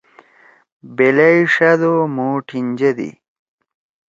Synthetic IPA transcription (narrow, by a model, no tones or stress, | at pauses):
beleiʂɐd̪omuːʈʰind͡ʑed̪ḭ